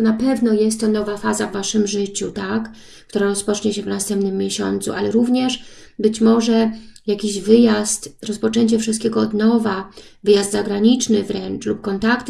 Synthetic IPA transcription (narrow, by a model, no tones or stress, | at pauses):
t̪ɔnapɛvnɔjɛst̪ːɔnɔvafazavːaʂɘmʐɘt͡ɕut̪ak | k̚t̪uɾaɾɔspɔt͡ʂɲɛɕɛvnast̪ɛmpnɘmʲːjeɕɔ̰nt̪sṵʔalɛɾuvɲɛʂ | bɘt͡ɕmɔʐɛjakʲiʑvɘjast̪ɾɔspɔt͡ʂɛɲt͡ɕɛfʂɨst̪kʲɛɡɔɔd̪nɔvavɘjazd̪zaɡɾaɲit͡ʂnɘvɾɛnt͡ʂlup̚kɔnt̪akt̪